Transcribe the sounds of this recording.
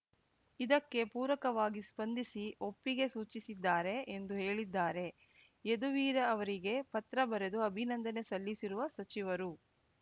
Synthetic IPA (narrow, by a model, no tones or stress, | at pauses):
id̪ɐkːe̞puːɾʋɐkɐʋaːɡispɐnd̪ʱisio̞pːiɡe̞suːt͡ʃisid̪ːaːɾe̞ːnd̪uɦeːɭid̪ːaːɾe̞ | ed̪uʋiːɾɐːʋɐɾiɡe̞pɐt̪ɾɐbɐɾed̪uɐbʱinɐnd̪ɐne̞sɐlːisiɾuʋɐsɐt͡ʃiʋɐɾu